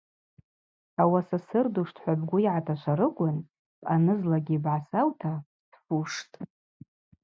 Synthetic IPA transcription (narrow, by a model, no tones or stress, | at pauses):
awasasɨrduʂtʰħʷabɡʷʊiʕatʰaʃʷʰaɾɨɡʷʼʊnʼ | anɨzlaɡʲibʕasawtʰa | sfuʂtʼ